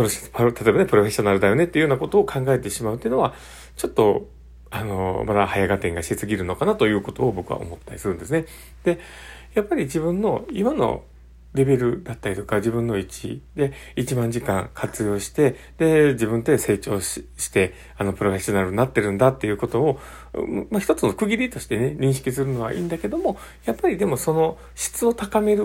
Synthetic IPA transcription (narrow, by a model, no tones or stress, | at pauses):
oɾoɕpt̪ʰat̪o̞e̞bane̞pɯ̟ɾo̞ɸʲe̞ɕo̞naɾɯ̟d̪ajo̞ne̞t̪ːeiɯjonako̞t̪o̞ːkʰãŋɡae̞t̪e̞ɕimaɯ̟t̪eiɯ̟noβa | t͡ɕo̞t̪ːo̞ | ano̞̰mad̪ahajaɡat̪ẽ̞ŋɡaɕit̪et͡sɨɡʲiɾɯ̟no̞kanat̪o̞jɯ̟ːko̞t̪o̞ːbo̞kɯ̟βa̰o̞̰mo̞t̪ːaɾʲi̥sɨɾɯ̟̃nd̪e̞sɨne | d̪̥e̞ | japːaɾʲid͡ʑibɯ̟̃nːo̞imano̞̰ | ɾe̞be̞ɾɯ̟d̪at̪ːaɾʲit̪o̞kad͡ʑibɯ̟̃nːo̞it͡ɕḭd̪e̞it͡ɕimãɲ̟d͡ʑikã̰ŋkʰat͡sɨjo̞ːɕi̥t̪e̞ | d̪e̞d͡ʑibɯ̟̃nt̪e̞se̞ːt͡ɕo̞̰ːɕi̥t̪e̞ | ano̞pɯ̟ɾo̞ɸe̞ɕo̞naɾɯ̟ɲinat̪ːe̞ɾɯ̟̃nd̪at̪ːe̞jɯ̟ːko̞t̪o̞ː | maçʲi̥t̪o̞t͡sɨno̞kɯ̟ɡʲiɾʲit̪o̞ɕi̥t̪e̞ne̞ɲ̟ĩɕi̥kʲis̬ɨɾɯ̟no̞βa̰ʔḭ̃ːnd̪ake̞d̪o̞mo̞ | japːaɾʲid̪e̞mo̞so̞no̞ | ɕi̥t͡sɨo̞t̪akame̞ɾɯ̟